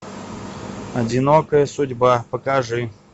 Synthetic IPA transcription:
ɐdʲɪnokəjəsʊdʲbapəkaʐɨ

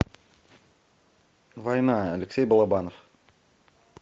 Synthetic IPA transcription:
vojnɑæleksʲejbɑlˠɑbɑnof

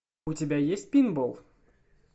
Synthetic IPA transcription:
ut͡sʲɪbʲajesʲtʲpʲinbɔlˠ

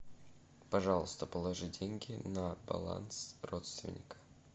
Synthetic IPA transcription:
pɐʐɑlˠəst̪əpəlˠɐʐɨdʲenʲɡʲɪnəbɐ̰lˠa̰nsrot̪st̪vʲɪ̰nʲɪkə̥

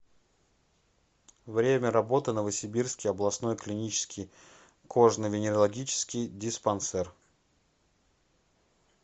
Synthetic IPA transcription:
vɾʲemʲəɾɐbo̞t̪ɨnəvəsʲɪbʲirskʲɪjɐblˠɐsno̞jklʲɪnʲit͡ɕɪ̥skʲɪj | kʰo̞ʐnɨvʲɪnʲɪɾəlˠɐɡʲit͡ɕɪ̥skʲɪjdʲɪspɐnsɛr

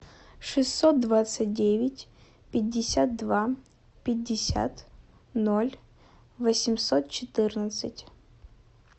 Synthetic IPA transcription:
ʂɨsːot̪̚d̪vat̪sɨt̚ʲdʲevʲɪtʲ | pʲɪdʲːɪsʲat̪̚d̪va | pʲɪdʲːɪsʲa̰t̪ | nolʲ | vəsʲɪmsot̪̚t͡ɕɪt̪ɨrnət̪sɨtʲ

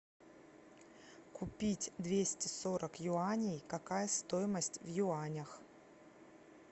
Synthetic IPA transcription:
kʊpʲitʲd̪vʲesʲtʲɪso̞ɾʔəkjʊanʲɪjkɐkajəst̪o̞jɪməsʲtʲvjʊanʲəx

